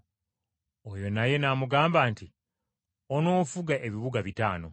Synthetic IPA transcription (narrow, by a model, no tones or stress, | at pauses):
ojo̞naje̞namuɡaːmbaːnti | ono̞ːfuɡaʔe̞βiβuɡaβitaːno̞